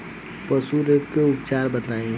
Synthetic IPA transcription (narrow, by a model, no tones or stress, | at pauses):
pəsuɾekeʊpt͡ʃaːɾbəd̪laːĩ